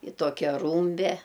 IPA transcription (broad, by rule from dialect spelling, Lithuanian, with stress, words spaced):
ɪ ˈtoːkʲɛ ˈruːmʲbʲɛ